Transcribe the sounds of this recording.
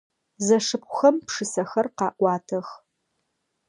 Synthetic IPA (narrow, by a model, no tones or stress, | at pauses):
zɐʂɨp̚ʷʊxɐmpʂɨsɐxɐrqɑːʔʷɑːtʰɐx